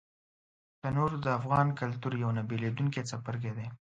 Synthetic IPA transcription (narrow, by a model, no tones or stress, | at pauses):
t̪ənoɾd̪əafɣɑnkalt̪uɾjawnabeled̪uŋket͡sapəɾɡed̪e